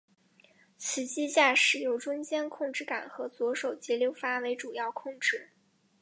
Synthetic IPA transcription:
t͡ɕʰi˧˥t͡ɕi˥ɕja˥˧ʂɻ̩˥˩jo˥˩ʊʈ͡ʂʊ˥ŋt͡ɕjɛ˥nkʰʊ˥˧ŋʈ͡ʂɻ̩˥˩ka˨˩nxɤ˧˥t͡swɔ˧˥ʂo˨˩ʊt͡ɕjɛ˧˥ljo˥˩ʊfa˥we˧˥ɪʈ͡ʂu˨˩jɑ˥˧ʊkʰʊ˥˧ŋʈ͡ʂɻ̩˥˩

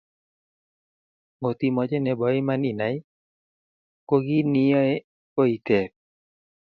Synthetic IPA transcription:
ŋo˨t̪i˨mɔ˨d͡ʒɛ˦nɛ˨bɔ˨˦ɪ˦ma˦ni˨na˨ɪ˦ | ko˦ɡi˦nɪ˦jɔ˦e˦ | ko˦i˨t̪ɛ˨p̚

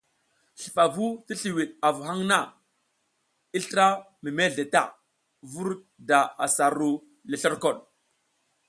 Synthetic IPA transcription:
ɬi̥˨fa˨vu˦ti˦ɬi˨wi˨ɗa˨vu˨ha˦ŋna˦˨ | i˦ɬə˦ɾa˦ | mi˨me˦ɮe˨ta̰˨ | vu˦ɾ | da˨a̰˨sa˨ɾu˦ | le˨ɬə˦ɾko˦˨ɗ

